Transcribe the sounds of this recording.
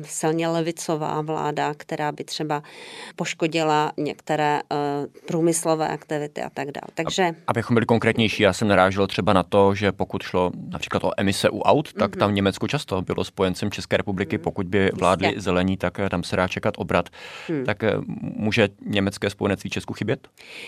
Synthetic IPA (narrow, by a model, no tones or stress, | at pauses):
sɪlɲɛlɛvɪt͡sova̰ːvla̰ːdakt̪ɛɾaːbɪt̪r̝̥ɛbapoʃkoɟɪlaɲɛ̰kt̪ɛɾɛːpɾuːmɪslovɛ̰ːʔakt̪ɪvɪt̪ɪ̰ʔa̰t̪aɡda̰ːlt̪aɡʒɛʔabɪxombɪlɪko̞ŋkɾɛːt̪ɲɛjʃiːjaːsɛmnaɾaːʒɛlt̪r̝̥ɛbanat̪o̞ʒɛpo̞kut̪ʃlo̞napr̝̥i̥ːklat̪ʔoʔɛmɪsɛʔuʔawt̪ːakt̪amɲɛmɛt͡skot͡ʃast̪obɪlʔospo̞jɛnt͡sɛmt͡ʃɛskɛːɾɛpublɪkɪpo̞kuɟ̚bɪvlaːdlɪzɛlɛɲiːt̪akt̪amsɛdaːt͡ʃɛkat̪ʔo̞bɾat̪t̪akmuːʒɛɲɛmɛt͡skɛːspojɛnɛt͡sst̪viːt͡ʃɛskuxɪbjɛt̪